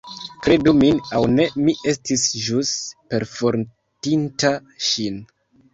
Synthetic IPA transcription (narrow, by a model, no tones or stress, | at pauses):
kɾe̞duminawne̞miʔe̞stisʒuspe̞ɾfoɾ | tintaʃin